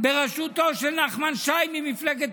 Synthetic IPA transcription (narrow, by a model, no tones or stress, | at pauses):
beʁaʃut̪oʃelnaχmanʃajmimifleɡet̪